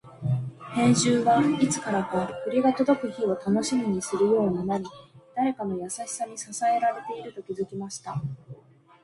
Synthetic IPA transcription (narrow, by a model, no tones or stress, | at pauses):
hẽ̞ɲ̃ʑɨːβait͡sɨ̥kaɾakoaɾɯ̟kɯ̟ɾʲiɡat̪o̞d̪o̞kɯ̟çio̞t̪ano̞ɕimʲiɲ̟isɨɾɯ̟jo̞ːnanaɾʲid̪̥aɾe̞kamo̞jasaɕi̥saɲʲisasae̞ɾaɾe̞t̪e̞iɾɯ̟t̪o̞kʲizɨkʲimaɕi̥t̪a